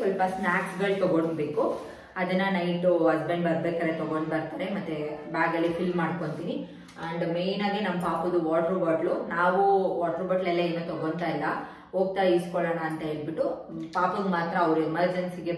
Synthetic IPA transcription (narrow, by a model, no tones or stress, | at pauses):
sɔlpɐsmaːkʈɡɐɭt̪ɔɡoɳbe̞ːku | ɐd̪ɐnːɐnɐjʈuɦɐsbe̞ɳɖbɐɾbeːkaːɾet̪ɔɡoɳɖbɐɾt̪aːɾemɐt̪ːebaːɡɐlːifilmːaːɖko̞ɳt̪iːni | ɐɳɖme̞jnaːɡinɐmːɐpaːpud̪uʋaːʈɐɾbɐɾʈlunaːʋuʋaːʈɐɾbɐɾʈlɛlːɐeːnːut̪ɔɡont̪aːilːɐ | o̞ːɡ̚t̪aːjɐiskɔɭɐːɳɐːnt̪ɐɦe̞ːɭbiʈːu | paːpɐnmaːt̪ɾɐːʋɾuemɐɾd͡ʒensiɡe